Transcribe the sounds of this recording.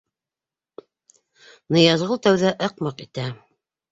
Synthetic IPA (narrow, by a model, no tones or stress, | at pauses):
nɤ̆jɑzʁɤlˠt̪æwðæʔɤqmɑqit̪æ